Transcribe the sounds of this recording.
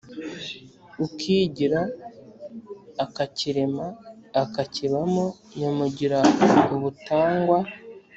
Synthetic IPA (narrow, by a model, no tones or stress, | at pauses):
ukʰiːɟiɾa | kaciɾemaːkaciβamo | ɲamuɟiɾauβutaːŋɡwa